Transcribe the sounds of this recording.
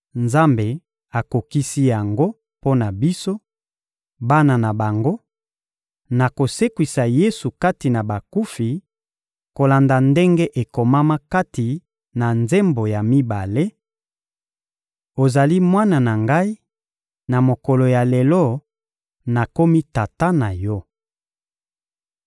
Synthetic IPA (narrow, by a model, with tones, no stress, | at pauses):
nza˦mbe˨ | a˨ko˨ki˦si˦ja˨ŋɡo˦ | po˦na˨bi˦so˦ | ba˦na˨na˨ba˨ŋɡo˦ | na˨ko˨se˦kwi˨sa˨je˦su˨ka˦ti˨na˨ba˨ku˦fi˨ | ko˨la˨nda˨nde˦ŋɡe˦ʔe˨ko˨ma˦ma˦ka˦ti˨ | na˨nze˦mbo˨ja˨mi˦ba˨le˦ | o˨za˨li˦mwa˦na˨na˨ŋɡa˦i˦ | na˨mo˨ko˨lo˨ja˨le˨lɔ˦ | na˨ko˦mi˦ta˨ta˦na˨jɔ˦